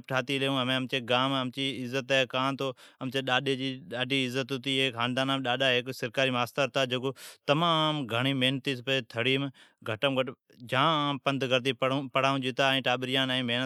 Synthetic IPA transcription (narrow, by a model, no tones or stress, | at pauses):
p̚ʈʰaːt̪iːleũːɦəmẽəmt͡ʃeːɡaːməmt͡ʃiːɪzːət̪akãːnt̪ʰoːəmt͡ʃeːɗaːɗed͡ʒiːɗaːɖʱiːɪzːət̪ɦʊt̪iːeːkʰaːnd̪aːnãːmɗaːɗaːɦeksɪɾkaːɾiːmaːst̪aːɾt̪aːd͡ʒokoːt̪ɐmaːmɡʱəɳ̃iːmeɦnt̪iːspət̪ʰəɽiːmɡʱəʈəmɡʱəʈ | d͡ʒãːpə̃nd̪ɡəɾd̪iːpɽpəɽ̤aːũːd͡ʒɪt̪aːĩːʈaːɓɪɾɪjãːnːĩːmeːnə